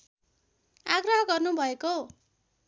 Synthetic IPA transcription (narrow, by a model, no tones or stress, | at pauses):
aɡrʌɦʌɡʌrnubʱʌeko